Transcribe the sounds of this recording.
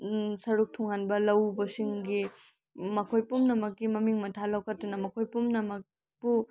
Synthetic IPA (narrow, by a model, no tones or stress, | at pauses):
sɐɾuk̚tʰɔŋhanbɐlɐwbɐsiŋɡi | mɐkʰojpumnɐmɐkːɡimɐmiŋmɐtʰalɐwkʰɐt̚ːunɐmɐkʰojpumnɐmɐk̚ | b̥u